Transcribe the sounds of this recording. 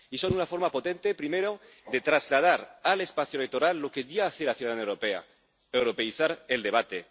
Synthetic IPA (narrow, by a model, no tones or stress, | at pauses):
iso̞nunafo̞ɾmapo̞t̪ẽnt̪e̞pɾimeɾo | ðe̞t̪ɾazlað̞aɾale̞spaθjolek̚t̪o̞ɾalːo̞keðiaːθelaθjuðaðanewɾopea̰ | ewɾo̞pe̞iθaɾeld̪e̞β̞at̪e